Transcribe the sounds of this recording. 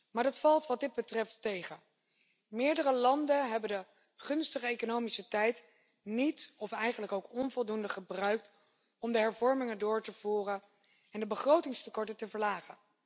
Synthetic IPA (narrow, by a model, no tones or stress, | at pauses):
maːɹdɑtfɑlˠtʋɑdɪd̚bətrɛftejχə | mɪːɹdərəlɑndənɦɛbəndə | χɵnstəχəejkonowmisətɛjt | nitɔfɛjχənləkowkɔnvɔlˠdundəχəbrœɥk̚t | ɔmdəɦɛɹvɔɹmɪŋəndʊːɹtəv̥uːrən | ɛndəbəχrowtɪŋstəkɔɹtətəvəɹlaːχən